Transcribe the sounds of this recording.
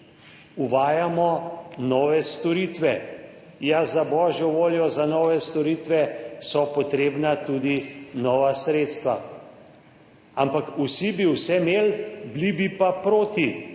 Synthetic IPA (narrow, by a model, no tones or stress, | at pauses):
uʋaːjamɔnɔːʋɛst̪ɔɾiːt̪ʋɛ | jazabɔːʒjɔʋoːljɔzanɔʋɛst̪ɔɾiːt̪ʋɛsɔpɔt̪ɾeːbnat̪uːd̪inɔːʋasɾeːt̪st̪ʋa̰ | ampakusibiwsɛmeːlblibipapɾoːt̪i